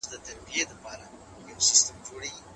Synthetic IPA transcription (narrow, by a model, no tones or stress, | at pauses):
d̪ət̪aɾbijed̪apɑɾa | jawsɪst̪əmd͡ʒoɽeɡi